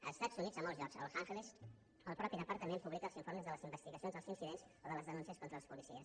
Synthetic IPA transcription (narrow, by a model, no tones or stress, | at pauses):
ə̰st̪azunid͡zəmɔlˠzʒɔkzə̰lsaŋxles | əlˠpɾɔpiɾəpaɾt̪ːəmempuβlikəlˠziɱfoɾməzðələzimbəst̪iɣəsionzðəlˠzinsiðenz | oðələzðənunsiəskont̪ɾəlˠəspulisiəs